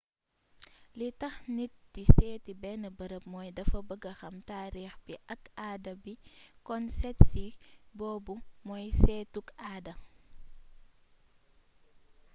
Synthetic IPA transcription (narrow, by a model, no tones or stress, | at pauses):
litɐxnit̚disɛːtibɛnɐbəɾəp̚mɔːjdɐfɐbəɡɐxɐmtaːɾiːxbiʔɐkaːdɐbikɔnsɛtsibɔːbumɔjsɛtukaːdɐ